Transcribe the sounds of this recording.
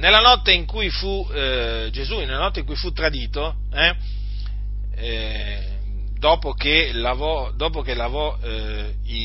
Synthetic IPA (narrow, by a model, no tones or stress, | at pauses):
nelːanɔt̪ːeiŋkujfu | d͡ʒezunelːanɔt̪ːeiŋkujfut̪ːɾad̪iːt̪o | ɛ | d̪ɔːpokelavɔ | d̪ɔːpok̟elavɔ | i